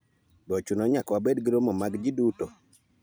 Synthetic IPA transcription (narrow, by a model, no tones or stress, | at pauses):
bɔt͡ʃunɔɲakwabedɡiɾomomaɡd͡ʒiduto